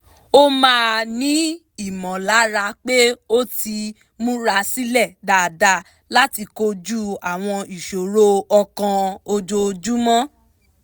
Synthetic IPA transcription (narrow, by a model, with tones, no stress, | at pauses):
o˦mãː˦˧nĩ˦ | i˦˨mɔ̃˨la˨˦ɾa˧k͡pe˦o˦ti˧ | mũ˦ɾa˧si˦lɛ˦˨da˨da˧ | la˦ti˧ko˧d͡ʒu˦a˨w̃ɔ̃˧i˨ʃo˨ɾo˦ɔ˧kã˧o˧d͡ʒo˧d͡ʒu˦mɔ̃˦